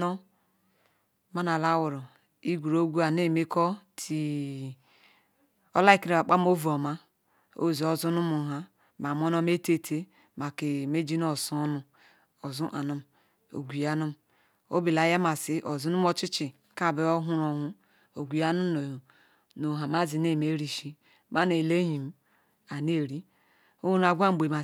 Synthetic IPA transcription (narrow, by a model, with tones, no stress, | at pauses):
ɔ˦ | ma˦na˨la˦wu˨ɾo˨ | i˦ɡʷu˨ɾo˦ɡʷu˦a˨ne˦˨me˦kɔ˦tʰi˨ | o̰˦la˦i˦˨ki˦ɾe˨a˨k͡pa˦m˦o˦vu˨o˨ma˦ | o̰˦˨zi˨o˨zu˦nu˦mu˨ɦa˦ | m˨a˨m˦o˦no˦me˦te˦˨tʰe˦ | ma˨ke˨me˦d͡ʒi˦n˦o˦su˦nu˦ | o˨zu˦ʔa̰˨nu˦m | o̰˨ɡʷi˨ja˦nu˦m˨ | o̰˦bi˨la˨˦ja˦ma˨si˦ʔo˨zu˦nu˦m˦o˦t͡ʃi˦t͡ʃi˨ | ka˦˨be˦o˦ɦu˦ɾo˨ɦu˦ | o˨ɡʷi˨ja˦nu˦˨ | no˨ɦa˨ma˦zi˨ne˦˨me˦ɾi˨ʃi˦ | ma˦ne˨le˦ɲi˨m˨˦ | a˨ne˦˨ɾi˦ | o˦na˨ɡʷa˦m˨ɡ͡be˨ma˨